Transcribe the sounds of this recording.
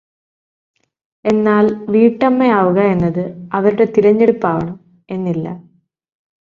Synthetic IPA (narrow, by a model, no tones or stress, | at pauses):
e̞nːaːlʋiːʈːɐmːeaːʋuɣɐe̞nːɐðɨɐʋɐɾuɽe̞t̪iɾɐɲːe̞ɽupːaːʋɐɳɐm | e̞nːilːɐ̰